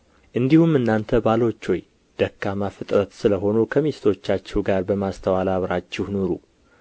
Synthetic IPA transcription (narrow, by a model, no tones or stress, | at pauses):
ʔɨnd̪ihumɨnːant̪ʰəbalo̞t͡ʃːoj | d̪̥əkːamafɨt̪ʼɾət̪sɨləɦo̞nukʰəmest̪ʰo̞t͡ʃːat͡ʃːɛwɡaɾbəmast̪ʰəwalaβɾat͡ʃːɪhnoɾu